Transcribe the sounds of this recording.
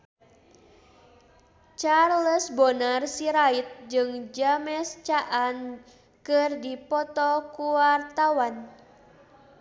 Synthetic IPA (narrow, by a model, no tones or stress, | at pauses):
t͡ʃarləsbonarsiɾait̪̚d͡ʒɨŋd͡ʒamɛst͡ʃaʔan | kɨrdipɔt̪ɔkuwart̪awan